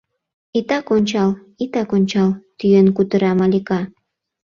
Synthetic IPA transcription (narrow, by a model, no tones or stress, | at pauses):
it̪ɑkonʲt͡ɕɑl | it̪ɑkonʲt͡ɕɑlt̪yjənkut̪əɾɑmɑlʲikɑ